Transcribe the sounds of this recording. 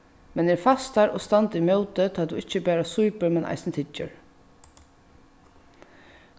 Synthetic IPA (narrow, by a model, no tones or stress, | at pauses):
mɛnɛːɹfast̪aɹɔst̪ant̪imœʊt̪ət̪ʰaːd̪uɪt͡ʃːəbæːɾasujpəɹmɛnʔa̰jsnt̪ʰɪt͡ʃːʏ̰ɹ